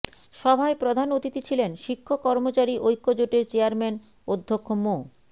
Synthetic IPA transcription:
ʃɔbʱaepɾod̪ʱanot̪it̪it͡ɕʰilenʃikʰːokːɔɾmot͡ɕaɾiʔojkːod͡ʑoʈeɾt͡ɕeaɾmen | od̪ʱːokʰːomo

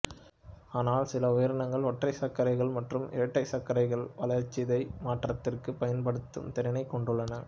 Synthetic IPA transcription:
aːnaːlsɪlɐʊjɐɾɐnɐŋɡɐɭɔʈrɐɪsɐkːɐɾɐɪɣɐɭmɐʈrɯmɪ̰ɐʈːɐɪsɐkːɐɾɐɪɣɐɭʋɐlɐɾt͡ʃːɪðɐɪmaːʈrɐt̪ːɪrkɯpɐjɐnpɐɽɯt̪ːɯ̰mt̪ɛɾɪnɐɪkːɔɳɖɯɭːɐnɐ

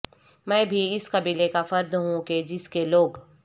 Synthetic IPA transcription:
mɛ̃ːbʱiɪskɐbiːlekafɐɾd̪ɦũked͡ʒɪskeloːɡ

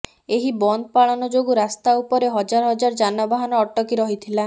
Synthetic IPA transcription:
eɦibɔnd̪ɔpaɭɔnɔd͡ʒoɡuɾast̪aupɔɾeɦɔd͡ʒaɾɔɦɔd͡ʒaɾd͡ʒanɔbaɦanɔːʈːɔkiɾɔɦit̪ʰila

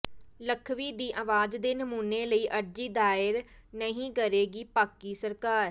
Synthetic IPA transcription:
ləkʰʋiːd̪iːʔaːʋaːd͡ʒd̪eːnəmuːneːləiːʔəɾd͡ʒiːd̪aːɪɾnəɦĩːkəɾeːɡiːpaːkiːsəɾkaːɾ

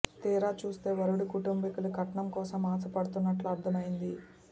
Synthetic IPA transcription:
t̪iːɾaːt͡ʃuːst̪e̞ːʋɐɾuɽukuʈumbikulukɐʈɐɳɐmkɔːsɐmaːsɐpɐɽut̪unːɐʈluɐɾd̪ʰʱɐmɐjind̪i

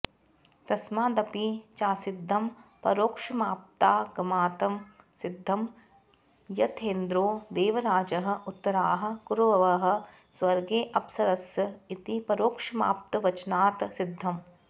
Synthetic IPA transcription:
t̪ɐsmaːd̪ɐpit͡ʃaːsɪd̪ʱːɐmpɐ̰ɾoːkʂɐmaːp̚t̪aːɡɐmaːt̪ɐm | sɪd̪ʱːɐm | jɐt̪ʰeːnd̪ɾoːd̪eːʋɐɾaːd͡ʒɐɦɐ̆ʊt̪ːɐɾaːɦɐ̆kuɾʋɐʋɐɦɐ̆ | sʋɐɾɡeːʔɐpsɐɾɐsɐit̪ipɐɾoːkʂɐma̰ːp̚t̪ɐʋɐt͡ʃnaːt̪sɪd̪ʱːɐm

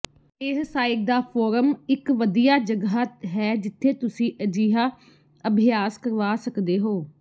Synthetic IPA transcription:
eːssaːɪk̚d̪aːpʰoːɾəmɪkʋəd̪ijaːd͡ʒəɡaːɦɛːd͡ʒɪt̪ʰːeːt̪ʊsĩːʔəd͡ʒiːɦaː | əbʱɪjaːskəɾʋaːsəkd̪eːɦoː

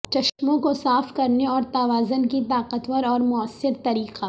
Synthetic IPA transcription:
t͡ʃɐʃmõkosaːfkɐɾneɔːɾt̪aʋaːzənkit̪aːqət̪wəɾɔːɾmʊəsːɪɾt̪ɐɾiːqaː

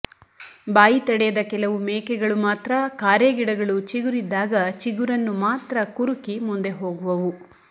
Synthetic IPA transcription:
baːjit̪ɐɽɛjɐd̪ɐkɛlɐʋumɛːkɛɡɐɭumaːt̪ɾɐkaːɾjɐɡiɽɐɡɐɭut͡ʃiɡuɾid̪ːaːɡɐt͡ʃiɡuɾɐnːumaːt̪ɾɐkuɾukimund̪e̞ɦo̞ːɡuʋɐʋu

